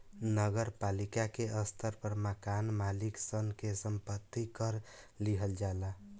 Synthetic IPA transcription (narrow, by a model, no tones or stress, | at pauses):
nəɡəɾpalikakeʔəst̪ʰəɾpəɾmakanmaliksənkesəmpət̪ːikəɾ | liɦəld͡ʒala